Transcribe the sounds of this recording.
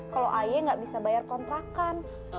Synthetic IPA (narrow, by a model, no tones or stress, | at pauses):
kaloʔajaŋɡaʔbisabajarkɔnt̪ɾakan